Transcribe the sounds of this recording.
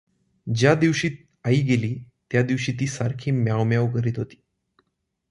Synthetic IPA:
d͡ʑjad̪iʋɕiːt̪̚ | aiːɡeliː | t̪jad̪iʋɕiːt̪̬iːsaɾkʰiːmjawmjaʋkəɾiːt̪ɦot̪i̥ː

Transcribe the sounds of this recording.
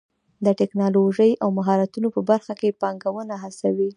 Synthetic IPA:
d̪əʈɪknɑloʒəjʔawmaɦɑɾat̪unopəbaɾxakepɑŋɡawənaɦasawi

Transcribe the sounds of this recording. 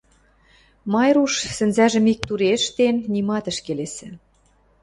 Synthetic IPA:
mɑjɾuʃsɘ̆nzæʒə̆mik̚t̪uɾeʃt̪enːimɑt̪ə̆ʃkelesɘ̆

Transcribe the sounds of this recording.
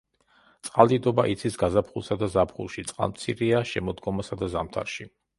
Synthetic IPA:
t̪sʼqʼald̪id̪ɔbaʔit̪sʰisɡazapʰχulˠsad̪azapʰχṵlˠʃit̪sʼqʼa̰lˠmt̪sʰiɾiaʃɛmɔd̪ɡɔmasad̪azamt̪ʰa̰ɾʃi

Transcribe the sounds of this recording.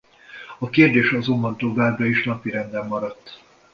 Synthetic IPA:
ɒkeːrd̪eːʃɒzo̞mbɒnt̪o̞vaːbrɒiʃnɒpiɾɛnd̪ɛmːɒɾɒt̪ː

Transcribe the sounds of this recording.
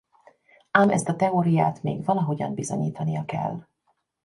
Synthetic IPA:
aːmʔɛ̰st̪ɒt̪ɛoːɾijaːt̪mḛːɡvɒlɒɦo̞ɟɒ̰mbizo̞ɲiːt̪ɒnijɒkɛ̰lː

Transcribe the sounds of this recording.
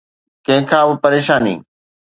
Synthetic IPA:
kɐ̃ɦɪ̃kʰãːbɪpɐɾeːʃaːnḭː

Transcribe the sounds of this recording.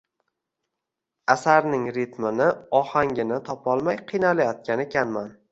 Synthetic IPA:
asaɾnɪŋɾɪt̪mɪnɪɒhaŋɡʲɪnɪt̪ʰɒpʰɒlˠmajqʰɨjnalajɒt̪̚kʲanekʲanman

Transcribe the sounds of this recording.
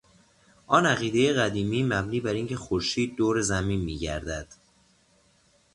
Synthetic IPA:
ʔɒːnæɣiːd̪e̞jeɣæd̪iːmiːmæbniːbæɾiŋcʰe̞xoɾʃiːd̪̚ːoːɾe̞zæmiːnmiːɟæ̰ɾd̪æd̪̥

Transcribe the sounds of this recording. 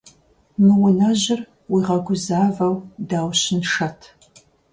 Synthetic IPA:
nɨwʊnɐʑɪr | wiːʁɐɡʷʊzaːvɐwdaːwɕɪnʂɐtʰ

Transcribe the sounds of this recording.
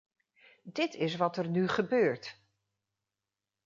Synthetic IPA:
dɪtɪs̬ʋɑtəɹnyχəbøːɹt

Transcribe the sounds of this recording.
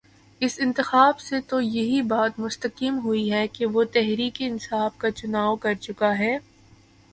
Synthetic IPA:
ɪsɪ̃nt̪ɪxaːbset̪ojɐɦibaːt̪mʊst̪əkiːmɦʊiɦɛkeʋot̪ɛɦɾiːkeɪnsaːfkat͡ʃʊnaːokɐɾt͡ʃʊkaɦɛː

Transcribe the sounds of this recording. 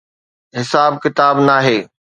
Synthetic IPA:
ɦɪsaːbkɪt̪aːbnaːɦeː

